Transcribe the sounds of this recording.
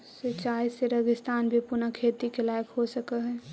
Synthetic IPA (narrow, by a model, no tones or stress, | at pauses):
sət͡ʃaːiseɾəɡɪst̪aːnbʱipʊnakʰeːt̪ikelaːjkɦosəkəɦɛː